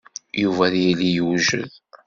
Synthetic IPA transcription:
juvæðjilijuʒə̰ð

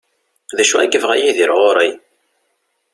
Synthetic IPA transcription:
ðæʃuæ̰ɡəvʁæjiðiɾʁoɾˤi

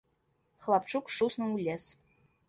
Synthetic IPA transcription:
xlˠɑpt͡ʃukʂusnɤ̆ulʲes

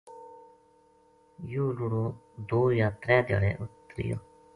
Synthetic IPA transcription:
juːlʊɽoː | d̪oːjaːt̪ɾɛ̃ːd̪ja̰ːɽḛːʔʊt̪ːɾḭjo̰ː

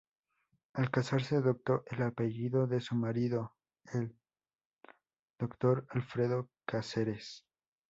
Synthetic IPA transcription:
alkasaɾse̞aðop̚t̪o̞ʔelape̞ʝiðo̞ðe̞sumaɾiðo̞ | el | d̪̥o̞kt̪o̞ɾalfɾe̞ðo̞kaseɾes

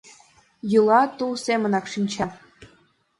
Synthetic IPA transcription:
jɯlˠɑt̪ulsʲemʲɘ̆nɑkʂinʲt͡ɕɑ

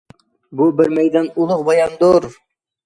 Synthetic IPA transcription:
bubɪɾmæjd̪ɑnulˠʊqbɑjɑnd̪oɾ

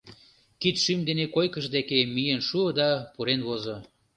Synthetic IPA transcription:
kit̪ʃymd̪enekojkəʃd̪ekemijenʃuəd̪ɑpuɾenβozo

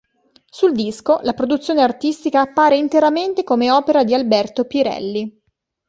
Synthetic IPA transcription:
suld̪iskolapɾod̪ut̪sːjoːneart̪ist̪ikaːpːaːɾeint̪eɾament̪ekomeɔːpeɾad̪ialbɛrt̪opiɾɛ̰lːi

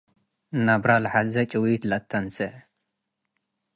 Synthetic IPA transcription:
nabɾalħazɐt͡ʃʼɨwit̪lɐt̪ʰːɐnsɐ

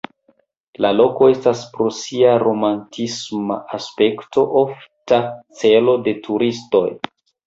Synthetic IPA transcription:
lalo̞ko̞e̞staspɾosiaɾo̞mantʰisma̰aspe̞kto̞ʔoftat͡se̞lo̞de̞tʰuɾisto̞j

